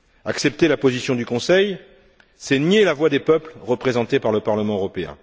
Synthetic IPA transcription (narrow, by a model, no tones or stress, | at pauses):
aksɛp̚t̪elapozisjɔ̃d̪ykɔ̃sɛj | sɛnjelavwad̪epœplʁəpχezɑ̃t̪epaʁləpaʁləmɑ̃øʁɔpeɛ̰̃